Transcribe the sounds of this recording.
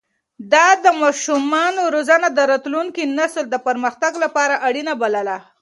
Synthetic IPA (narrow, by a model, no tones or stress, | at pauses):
d̪ɑd̪əmɑʃumɑnoɾozanad̪əɾat̪luŋkinasld̪əpəɾməxt̪aɡlapɑɾaʔaɽinabaləla